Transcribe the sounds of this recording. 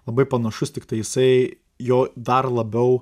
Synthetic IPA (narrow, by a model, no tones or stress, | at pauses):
lˠɐbɐɪpɐnɐʃʊst̪ʲɪkt̪ɐɪjɪsɐɪ | joːd̪ɐrlˠɐbʲɛʊ